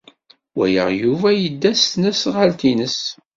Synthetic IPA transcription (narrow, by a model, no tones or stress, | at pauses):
wæ̰jə̰ʁjuvæjəd̪ːæstnəsʁalt̪inəs